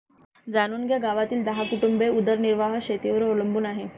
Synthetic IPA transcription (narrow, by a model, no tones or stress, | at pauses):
d͡zañuːnɡjaɡaʋat̪iːld̪əɦakuʈumbeud̪əɾniɾʋaɦəɕet̪iʋəɾoləmbuːnaɦe